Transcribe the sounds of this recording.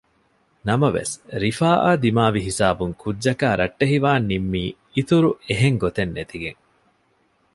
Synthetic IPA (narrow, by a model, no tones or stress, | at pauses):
nɐmɐʋḛsɾifaːʔaːd̪imaːʋiɦisaːbuŋkʰudːd͡ʒɐkaːɾɐʈːeɦiʋaːnːimːiː | it̪uɾueɦeŋɡot̪enːet̪iɡeŋ